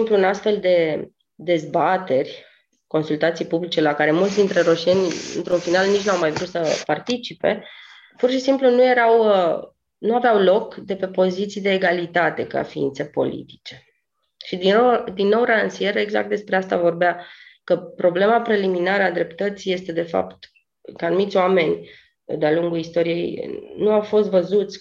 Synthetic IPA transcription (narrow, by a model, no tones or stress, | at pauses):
impluunast̪fe̞ld̪e̞ | d̪e̞zbat̪e̞rʲ | ko̞nsult̪at̪sijpublit͡ʃe̞lakaɾe̞mult̪sʲd̪int̪ɾe̞ɾo̞ʃienʲɨ̰nt̪ɾunfinalnit͡ʃʲnawmajvɾut̪səpart̪it͡ʃipe̞̰ | purʃisimplunuje̞ɾaw | nuaveawlo̞kd̪e̞pe̞po̞zit̪sijd̪e̞ːɡalit̪at̪e̞ka̰fiḭnt̪se̞po̞̰lḭt̪i̥t͡ʃe̞̥ | ʃid̪iod̪inːo̞wɾansijeɾəeɡza̰kt̪d̪e̞spɾe̞ast̪avo̞rbeakəpɾo̞ble̞mapɾe̞liminaɾəad̪ɾe̞pt̪ət̪sije̞st̪e̞d̪e̞fa̰pt̪ | kanumit̪sʲoame̞nʲ | d̪ealuŋɡulist̪o̞ɾije̞̰j̰nuawfo̞st̪vəzut̪sʲ